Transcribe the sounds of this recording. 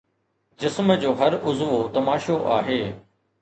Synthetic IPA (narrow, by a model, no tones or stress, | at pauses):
d͡ʑɪsmd͡ʑoːɦɐɾʊzʋot̪ɐmaːʃoʔa̰ːɦeː